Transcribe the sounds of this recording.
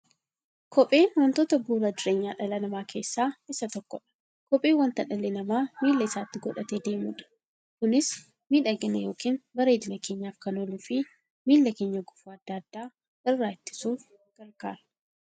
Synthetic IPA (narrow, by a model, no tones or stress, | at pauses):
kʰɔpʼe̞ːnwɐnt̪o̞ːt̪ɐbuːɾɐd̪ɪɾeːɲːaːᶑɐlɐnɐmaːkʰe̞ːsːaːɪsɐt̪ɔkːɔᶑɐ̥ | kɔpʼeːwɐnt̪ɐᶑɐlːenɐmaːmiːlːɐɪsaːt̪ːɪɡɔᶑɐt̪eːd̪e̞ːmuːᶑɐ̥ | kʊnɪs | miːᶑɐɡɪnɐjo̞ːkiːnbɐɾe̞ːd̪ɪnɐke̞ːɲːaːfkɐnoluːfɪ | miːlːɐke̞ːɲːɐɡʊfuɐd̪̥ːaːd̪ːaː | ɪrːaːɪt̪ːɪ̥suːf | ɡ̥ɐlɡaːɾ